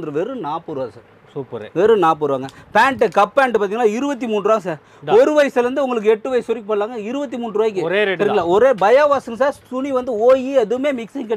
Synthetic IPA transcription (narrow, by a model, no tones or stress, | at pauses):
d̪ɯɾɯʋɛɾɯnaːpːuːɾɯʋaːɡɐsaːɾ | suːpɾʋɛɾɯnaːp̬ːuːɾʋaːŋɡɐpaːɳʈɯkɐpːaːɳʈɯpaːɾt̪iːŋɡɐnaːɪɾɯbɐt̪̬ːimuːnɖɾaːŋɐsaːɾ | ɔɾɯʋɐjɐsɐlɐɾɯnd̪ɯʊŋɡɐɭɯk̬ːɯɛʈːɯʋɐjɪsɔɾɪkːɯpɐːɽlaːŋɡɐɪɾɯbɐt̪̬ːimuːɳɾʋaːjɪk̬ːɯɾɾpɐɾɡɐlaːɔɾeːbɐjaːʋaːsɐŋs̬aːɾsʊniʋɐnd̪ɯoːjiɐðɯɯmeːmɪksɪŋkɐ